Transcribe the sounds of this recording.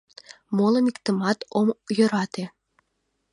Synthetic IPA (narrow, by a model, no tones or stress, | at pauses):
molˠə̆nikt̪ə̆mɑt̪omjø̆ɾɑt̪e